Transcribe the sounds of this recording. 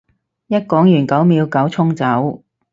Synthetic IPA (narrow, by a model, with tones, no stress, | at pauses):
jɐ˥t̚kɔː˨˥ŋjyː˨˩nkɐ˨˥wmiː˨˧wkɐ˨˥wt͡sʰʊ˥ŋt͡sɐ˨˥w